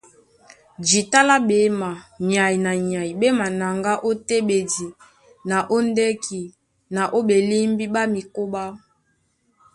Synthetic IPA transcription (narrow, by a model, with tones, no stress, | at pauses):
d͡ʒi˨ta˦la˦be˨˦ma˨ɲa˨i˨na˨ɲa˨i˨be˦ma˨na˨ŋɡa˦ʔo˦te˦be˨di˨ | na˨ʔo˦nde˦ki˨ | na˨ʔo˦be˨li˦mbi˦ba˦mi˨ko˦ba˦